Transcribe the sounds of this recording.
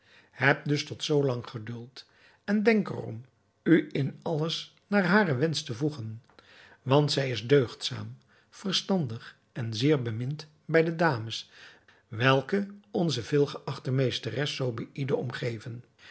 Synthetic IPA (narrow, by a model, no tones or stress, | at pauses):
ɦɛp̚dɵstɔtsowlɑŋχədɵlˠt | ɛndɛŋkə̰rɔ̰m | yɪnɑləs | naːɹɦaːrəʋɛnstəvuχən | ʋɑntsɛjɪzdøɥχtsa̰ːm | v̥ərstɑndəχ | ɛnzɪːɹbəmɪnt | bɛjdədaːməs | ʋɛlˠkəɔnzəvɪːlˠχəʔɑχtəmejstərɛsːowbɛjʔidəɹɔmχejvən